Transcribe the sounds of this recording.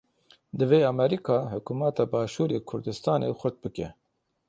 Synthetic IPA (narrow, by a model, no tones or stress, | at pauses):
d̪ɨveːɑmɛɾikʰɑːhʊkumɑt̪ʰɑːbɑːʃuːɾeːkʰʊɾd̪ɨst̪ɑːnḛːxʷʊɾt̪̚bɨkɛ̰